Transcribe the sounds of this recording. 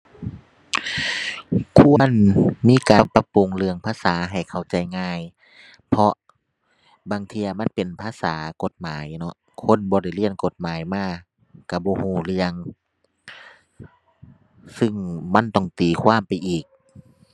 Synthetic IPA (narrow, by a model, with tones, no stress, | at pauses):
kʰuː˧˩ɐ˥˨nmiː˧˥˨kaː˨˧˦pa˧pu˨ŋlɯ˧əŋpʰaː˧˥˨saː˨˦ɦa˨˩jkʰa˨˩wt͡ɕa˨˦jŋaː˧˥˩j | pʰɔ˧ | baː˨˩ŋt̪ʰiː˧˨a˧ma˧˥˨npe˨npʰaː˧˨saː˨˦ko˧˦t̪̚maː˨˦jnɔ˧ | kʰo˧˥˨nbɔː˧˦da˧˩jli˧˩ənko˧˦t̪̚maː˨˦jmaː˧˥˩ | ka˧˩bɔː˧˦huː˧˩lɯ˧əŋ | sɯ˧˨ŋma˧˥˨nt̪ɔ˧˩ŋt̪iː˨˩kʰwaː˧˥˨mpa˨jʔiː˨˩k̚